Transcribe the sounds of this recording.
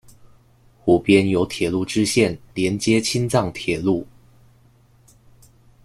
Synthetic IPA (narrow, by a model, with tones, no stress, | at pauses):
xu˨˩pjɛ˥njo˧˥ʊt̪ʰjɛ˨˩lu˥˩ʈ͡ʂɻ̩˥ɕjɛ˥˩nljɛ˧˥nt͡ɕjɛ˥t͡ɕʰi˥nt͡sɑ˥˩ŋt̪ʰjɛ˨˩lu˥˩